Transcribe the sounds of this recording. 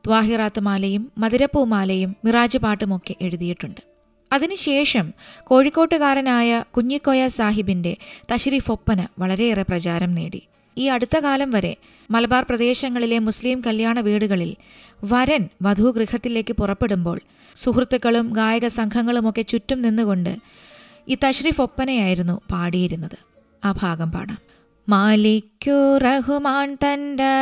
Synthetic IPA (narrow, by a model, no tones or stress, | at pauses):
d̪̥ʋaːɦiraːt̪ːmaːlɐjumːɐðiɾɐpːuːmaːlɐjumːiraːd͡ʑɐpaːʈːumo̞kːe̞ʔe̞ɻuðijiʈːuɳɖɨ̥ | ɐðinɨɕe̞ːʂɐmko̞ːɻikːo̞ːʈːɨɣaːɾɐnaːjɐkuɲːikːojasaːɦibinde̞t̪ɐɕɾiːfo̞pːɐnɐʋɐɭɐɾe̞ireprɐt͡ɕaːɾɐmneːɽḭ | iːɐɽut̪ːɐkaːlɐmʋɐɾe̞̰ | mɐlbaːrprɐd̪e̞ːɕɐŋːɐɭile̞musliːmkɐljaːɳɐʋiːɽuɣɐɭil | ʋɐɾɐnʋɐd̪ʱuɡrihɐt̪ːile̞ːkːɨpurɐpːe̞ɽumbo̞ːɭ | suhrut̪ːukːɐɭumɡaːjɐɣɐsɐŋkʰɐŋːɐɭumo̞kːe̞t͡ɕutːumninːuko̞ɳɖɨ̰ | iːt̪ɐɕriːfo̞pːɐnɐjaːjiɾunːupaːɽijɐɾunːɐðɨ | aːbʱaːɡɐmpɐ̰ːɳa̰ːm | maːlikʲːureɦumaːnt̪ɐndɐ